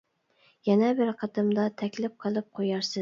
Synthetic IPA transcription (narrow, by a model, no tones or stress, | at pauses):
jɛnɛbɪɾqʰɑd̪ɨmd̪ɑt̪ʰɛkʲlɪp̚qʰəlˠɨp̚qʰojɑɾsɨ